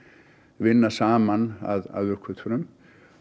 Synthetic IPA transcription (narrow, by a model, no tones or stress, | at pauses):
vɪnːasaːmana̰ða̰ðvʏrkʰvʏt̪ʰʏɾʏm